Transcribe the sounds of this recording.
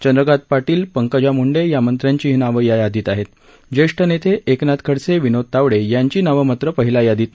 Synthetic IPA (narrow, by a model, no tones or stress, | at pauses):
t͡ɕənd̪ɾəɡat̪̚paʈiːlpəŋkəd͡ʑamuɳɖejamənt̪ɾjaɲt͡ɕiɦinaʋəjajad̪iːt̪aɦet̪ | d͡ʑeʂʈʰənet̪ʰeʔeknat̪kʰəɽt͡seʋinot̪aʋɽejaɲt͡ɕiːnaʋəmat̪ɾəpəɦilajad̪iːt̪